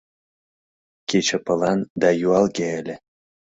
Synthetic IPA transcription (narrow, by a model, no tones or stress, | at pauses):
kʲet͡ɕə̆pɤ̆lˠɑnd̪ɑjuɑlˠɡʲeelʲe